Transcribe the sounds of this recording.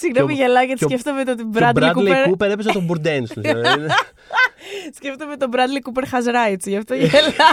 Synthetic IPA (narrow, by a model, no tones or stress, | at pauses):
siɣnemfiʝelɐʝɐt̪ikeft̪omet̪̬ot̪ibɾɐd̪ɾidkuleɾupeɾepesɐt̪obuɾd̪enss | sceft̪omet̪obɾɐd̪likupeɾxɐzɾɐet͡siʝɐft̪oʝelɐ